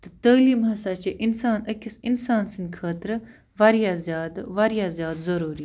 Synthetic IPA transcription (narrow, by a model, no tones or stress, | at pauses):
t̪ɐt̪əːliːmɦɐsaːt͡ʃeʔɪnsaːnɐkisɪnsaːnsind̪kʰaːt̪ɾ | ʋɐɾjazʲjaːd̪ʋɐɾjaːzjaːd̪zɐɾuːɾi